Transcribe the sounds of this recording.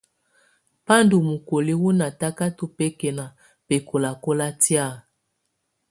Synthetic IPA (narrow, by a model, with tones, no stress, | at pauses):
pa˦ndu˨mu˨ko˨li˦wu˦na˨ta˦ka˦tu˦pɛ˦kɛ˨na˨ | pe˨ko˨la˨ko˦la˦tja˦˨